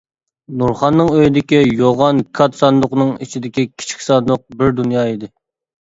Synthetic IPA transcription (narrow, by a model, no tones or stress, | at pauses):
nuɾχɑnːɨŋøjid̪ɪkʲijoʁɑnkʰɑt̪sɑnd̪ʊqnɨŋit͡ʃʰid̪ɪkʲikʲʰi̥t͡ʃʰi̥kʲsɑnd̪ʊq̚bɪɾd̪unjɑːid̪ɪ